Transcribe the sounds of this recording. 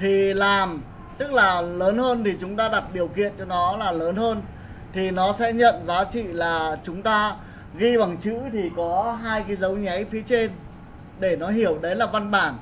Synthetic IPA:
t̪ʰi˨˩laː˨˩m | t̪ɨ˦˥k̚laː˨˩ləː˨˦nɦəː˧nt̪ʰi˨˩t͡ɕʊ˨˦ŋ͡mt̪aː˧ɗa˨˩t̚ɗi˨˩əwkḭ˧˨ənt͡ɕɔ˧nɔ˨˦laː˨˩ləː˨˦nhəː˧n | t̪ʰi˨˩nɔ˨˦sɛ̰˧˥ɲə̰˧˨nzaː˨˦t͡ɕḭ˧˨laː˨˩t͡ɕʊ˨˦ŋ͡mt̪aː˧ | ɣi˧ɓa˨˩ŋt͡ɕɨ̰˧˥t̪ʰi˨˩kɔ˨˦ɦaː˧jkaː˨˦jzə˨˦wɲa˨˦jfi˨˦ət͡ɕe˧n | ɗe˧˩nɔ˨˦ɦi˧˩əwɗə˨˦jlaː˨˩va˧nɓaː˧˩n

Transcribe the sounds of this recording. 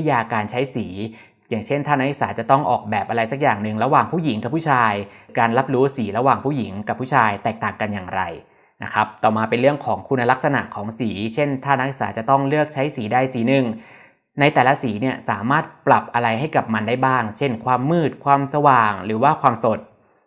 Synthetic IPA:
jaː˧kaː˧nt͡ɕʰa˦˥jsiː˩˦ | jaː˨˩ŋt͡ɕʰe˥˩nt̪ʰaː˥˩na˦˥i˧ksaː˩˦˥t͡ɕa˨˩t̪ɔ˥˩ŋʔɔ̰ː˨˩k̚bɛː˨˩p̚ʔa˧ɾa˧jsa˨˩k̚jaː˨˩ŋnɯ˨˩ŋɾa˧waː˨˩ŋpʰuː˥˩ji˩˦ŋka˨˩pʰːuː˥˩t͡ɕʰaː˧jkaː˧nla˦˥p̚ɾuː˦˥siː˩˦ɾa˧waː˨˩ŋpʰuː˥˩ji˩˦ŋka˨˩pʰːuː˥˩t͡ɕʰaː˧jt̪ɛː˨˩k̚t̪aː˨˩ŋka˧njaː˨˩ŋɾa̰˧j | na˦˥kʰa˦˥p̚t̪ɔː˨˩maː˧pe˧nɾɯ˥˩əŋkʰɔː˩˦ŋkʰu˧nːa˧la˦˥k̚sa˧na̰˨˩kʰɔː˩˦ŋsiː˩˦t͡ɕʰe˥˩nt̪ʰaː˥˩na˦˥i˧k̚saː˩˦˥t͡ɕa˨˩t̪ɔ˥˩ŋlɯ˥˩ək̚t͡ɕʰa˦˥jsiː˩˦daː˥˩jsiː˩˦nɯ˨˩ŋ | na˧jt̪ɛː˨˩la˦˥siː˩˦ni˥˩əsaː˩˦maː˥˩t̪̚pla˨˩p̚ʔa˧ɾa˧jɦa˥˩jka˨˩p̚ma˧ndaː˥˩jbaː˥˩ŋt͡ɕʰe˥˩nkʰwaː˧mːɯː˥˩t̪̚kʰwaː˧msa˧waː˨˩ŋɾɯː˩˦waː˥˩kʰwaː˧mso˨˩t̪̚

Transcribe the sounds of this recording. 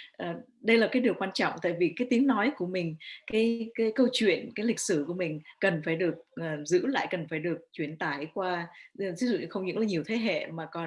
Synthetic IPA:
ʔəː˨˩ | ɗə˧jlaː˨˩kaː˨˦jɗi˨˩əkwaː˧nt͡ɕɔ̰˧˨wŋ͡mt̪a̰ː˧˨jvi˨˩kaː˨˦jt̪i˨˦əŋnɔ˨˦jku˧˩əmï˨˩ŋ̟kaː˨˦jkaː˨˦jkə˧wt͡ɕwḭ˧˨ənkaː˨˦jlï˨˩k̟̚sɨ˧˩ku˧˩əmï˨˩ŋ̟kə˨˩nfaː˧˩jɗɨ˨˩ək̚ʔːzɨ̰˧˥la̰ː˧˨jkə˨˩nfaː˧˩jɗɨ˨˩ək̚t͡ɕwi˧˩ənt̪aː˧˩jkwaː˧˨˩t̪ʰi˨˦zɨ̰˧˨xə˧wŋ͡mɲɨ̰˧˥ŋlaː˨˩ɲi˨˩əwt̪ʰe˨˦ɦḛ˧˨maː˨˩kɔ˨˩

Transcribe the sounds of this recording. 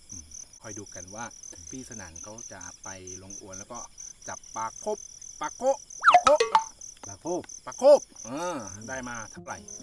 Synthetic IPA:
ʔɯː˧˩mkʰɔ˨˩jduː˧ka˧nwaː˥˩pʰiː˥˩sa˧na̰ː˩˦ŋkʰa˦˥wt͡ɕa̰˨˩pa˧jlo˧ŋʔu˧ənlɛ˦˥wkɔː˥˩t͡ɕa˨˩pːaː˧kʰo˦˥˩p̚ːaː˧kʰo˥˩pa˧kʰo˥˩p̚paː˧kʰoː˥˩p̚ːaː˧kʰoː˥˩p̚ʔɤː˧daː˥˩jmaː˧t̪ʰa˥˩wɾa̰˨˩j

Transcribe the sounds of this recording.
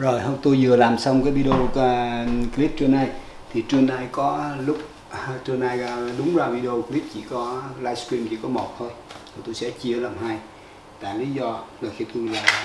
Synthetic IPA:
zo˨˩jɦə˧wŋ͡mt̪o˧jzɨ˨˩əlaː˨˩msa˧wŋ͡mkaː˨˦jvi˧ɗə˧o˧kli˦˥t̚t͡ɕə˧nːaː˧j | t̪ʰi˨˩t͡ɕɨ˧əŋnaː˧jkɔ˨˦lʊ˦˥k͡p̚ | t͡ɕɨ˧ənaː˧ja˧ɗʊ˨˦ŋ͡mzaː˨˩vi˧ɗe˧o˧kli˦˥t̚t͡ɕi˧˩kɔ˨˦laː˧jskɾi˧mt͡ɕḭ˧˩kɔ˨˦mo˨˩t̚t̪ʰo˧jt̪ʰi˨˩t̪o˧jsɛ̰˧˥t͡ɕi˧ə˧laː˨˩mɦaː˧j | t̪a̰ː˧˨li˨˦zɔ˧zə˨˩xi˧t̪o˧jlaː˨˩

